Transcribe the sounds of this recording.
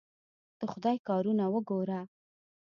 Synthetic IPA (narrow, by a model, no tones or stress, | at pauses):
d̪̥əxʊd̪ɑjkɑɾunawəɡoɾa